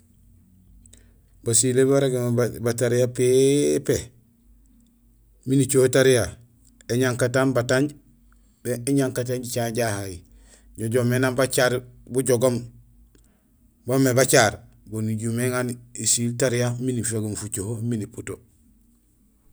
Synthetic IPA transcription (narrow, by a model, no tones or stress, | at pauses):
basilebaɾeɡembataɾijapepe | minit͡ʃohotaɾija | eɲaŋkatanbataɲɟ | beeɲaŋkat̬aɲɟit͡ʃaɟahaji | ɟoɟomenaːmbat͡ʃaɾbuɟoɡom | bomebat͡ʃaːɾ | boniɟumeŋanisiltaɾijaminifeɡomfut͡ʃohominiputo